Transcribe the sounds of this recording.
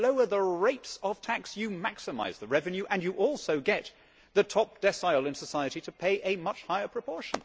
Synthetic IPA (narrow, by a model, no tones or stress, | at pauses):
loʊə˞ðəɹeɪtsʌv̥tʰæksjɨmæksɨma̰ɪzðɨɹɛvɨ̃njʉʔɨ̃njɨʔɔlˠsoʊɡɛt̪̚ | ðɨtʰɑp̚d̥ɛsaɪl̩ˠɨ̃nsəsaɪɨɾiɾɨpʰeɪʔɨmʌt͡ʃhaɪə˞pʰɹ̥ɨpʰɔɹʃn̩